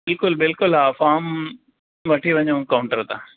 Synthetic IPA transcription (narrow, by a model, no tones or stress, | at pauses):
bɪlkʊlbɪlkʊlɦaːfaːm | ʋɐʈʰiʋɐ̃ɲõkaʊ̃ɳʈəɾt̪ʰaː